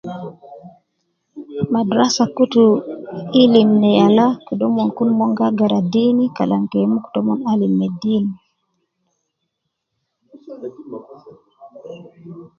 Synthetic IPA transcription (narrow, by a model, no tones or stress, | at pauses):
madɾasakutu | ilimnɛjalakɔɗɔmːɔnkunmɔŋɡaɡaɾadinikalaŋkɛmuktɔmɔnalimːɛdiːni